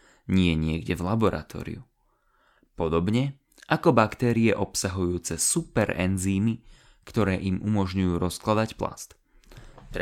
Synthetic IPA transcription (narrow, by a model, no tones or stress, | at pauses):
ɲɪɛɲɪɛɡɟɛvlabɔɾʔa̰t̪ɔ̰ːɾḭu | pɔd̪ɔbɲɛ | ʔakɔbakt̪ɛːɾiɛʔɔpsaɦujuːt͡sɛsupɛɾɛ̰nziːmi | kt̪ɔɾɛːʔimʔumɔʒɲujuːɾɔsklad̪acpla̰st̪ | t̪